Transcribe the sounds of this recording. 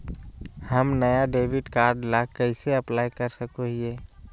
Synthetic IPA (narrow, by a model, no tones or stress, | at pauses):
həmnəjaɖeːʋɪɖkaːɾɖlakəɪseəplaːjkəɾsəkoɦie